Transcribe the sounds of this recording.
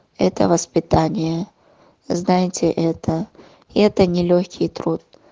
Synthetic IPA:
ɛt̪ə̰vəspʲɪt̪anʲɪjə | znajɪtʲɪʔɛt̪ʰə | iɛt̪ənʲɪlʲoxʲkʲɪjt̪ɾut̪̚

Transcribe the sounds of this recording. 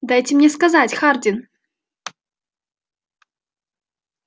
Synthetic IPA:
d̪ajtʲɪmnʲɛskazatʲxardʲin

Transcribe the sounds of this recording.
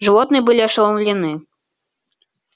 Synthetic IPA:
ʐɨvɔt̪nɨbɨlʲiɐʂlˠɐnlʲinɨ

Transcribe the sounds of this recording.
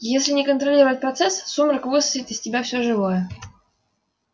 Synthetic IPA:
jesʲlʲɪnʲɪkənt̪ɾɐlʲiɾəvət̚ʲpɾɐt̪sɛsːumrɨkvɨsəɪt̪ɨsʲtʲɪbʲafsʲoʐɨvojə

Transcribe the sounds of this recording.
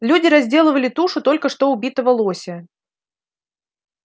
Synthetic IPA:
lʲudʲɪɾɐzʲdʲe̞lˠəvəlʲɪt̪uʂʊt̪o̞lʲkəʂt̪o̞ʊbʲit̪əvəlˠosʲɪ

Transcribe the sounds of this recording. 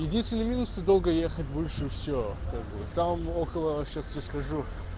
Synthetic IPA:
jɪdʲinst̪vʲɪnɨmʲinust̪od̪olˠɡəjexətʲbɨlʲʂɨfsʲokak̚bɨt̪amokəlˠəɕasjaskɐʐu

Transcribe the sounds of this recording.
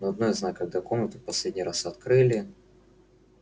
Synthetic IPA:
noɐd̪̚nojɪznakɐɡ̚d̪akomnət̪əfpɐsʲlʲedʲnʲɪjɾasɐt̪kɾɨlʲɪ

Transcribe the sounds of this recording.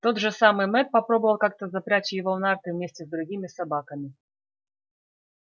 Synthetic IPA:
t̪o̞d̪ʐɨsamɨjmɛt̪̚pɐpɾo̞bəvəlˠkak̚t̪əzɐpɾʲæt͡ɕjɪvonart̪ɨvmʲesʲtʲɪzd̪ɾʊɡʲimʲɪsɐbakəmʲɪ

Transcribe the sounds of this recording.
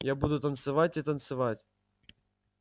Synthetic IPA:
jabud̪ʊt̪ənt̪sɨvatʲit̪ənt̪sɨvatʲ

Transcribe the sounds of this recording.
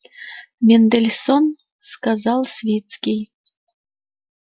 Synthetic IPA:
mʲend̪elʲson | skazɑlˠsʲvʲet̪skʲij

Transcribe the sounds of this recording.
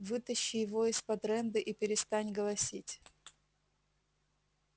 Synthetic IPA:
vɨt̪əɕːɪjɪvoɪspɐd̪ɾɛnd̪ɨʔipʲɪɾʲɪst̪anʲɡəlˠɐsʲitʲ

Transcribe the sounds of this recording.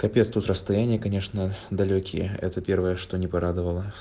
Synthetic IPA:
kɐpʲet̪st̪ut̪ɾəst̪ɐjænʲɪjəkɐnʲe̞ʂnəd̪ɐlʲokʲɪ̰jə̰ɛ̰t̪əpʲe̞rvəjəʂt̪o̞nʲɪpɐɾad̪əvəlˠə

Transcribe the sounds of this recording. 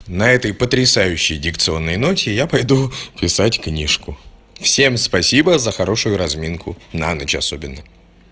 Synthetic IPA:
nɐɛt̪əjpət̪ɾʲɪsajʉɕːɪjdʲɪkt̪sɨo̞nːəjno̞tʲɪjapɐjd̪upʲɪsatʲknʲiʂkʊ | fsʲe̞mspɐsʲibəzəxɐɾo̞ʂʊjʊɾɐzmʲinkʰʊna̰nət͡ɕɐso̞bʲɪnːə

